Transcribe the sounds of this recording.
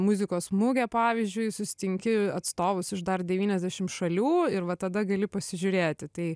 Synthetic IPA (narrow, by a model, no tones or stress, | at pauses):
mʊzʲɪkoːsmʊɡʲɛpɑːʋʲɪzʲd͡ʒʲʊɪsʊsʲɪ̥t̪ʲɪŋʲkʲɪɐt̪st̪oːʋʊsɪʃd̪ɐrd̪ʲɛʋʲiːnʲɛzʲd̪ʲæʃʲɪmʃɐlʲuːɪɾʋɐt̪ɐd̪ɐɡɐlʲɪpɐsʲɪʒʲʊɾʲeːt̪ʲɪt̪ɐɪ